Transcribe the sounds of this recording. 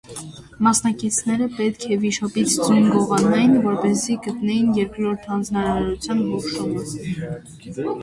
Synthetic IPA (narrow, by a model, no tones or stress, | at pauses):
mɑsnɑkit͡sʰnɛɾəpɛt̪kʰɛviʃɔpit͡sʰd͡zujnɡɔʁɑnɑjinvɔɾpɛziɡət̪nɛjinjɛɾkɾɔɾt̪ʰhɑnd͡znɑɾɑɾut͡sʰjɑnɦɔχʃumə